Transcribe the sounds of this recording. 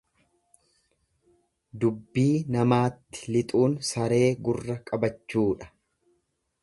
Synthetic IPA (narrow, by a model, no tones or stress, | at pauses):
d̪ʊbːiːnɐmaːt̪ːɪ̥lɪt̪ʼuːnsɐɾe̞ːɡʊrːɐkʼɐbɐt͡ʃːuːᶑɐ̥